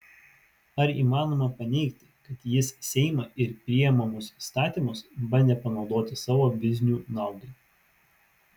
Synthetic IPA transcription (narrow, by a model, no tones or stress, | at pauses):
ɐɾḭːmɑːnoːmɐpɐnʲɛɪkt̪ʲɪkɐt̪jɪssʲɛɪmɐɪɾpʲɾʲɪjɛmɐmʊsist̪ɑːt̪ʲiːˑmʊsbɐnʲd̪ʲɛpɐnɒʊd̪oːt̪ʲɪsɑːʋoːʋʲɪzʲnʲuːnɑˑʊd̪ɐɪ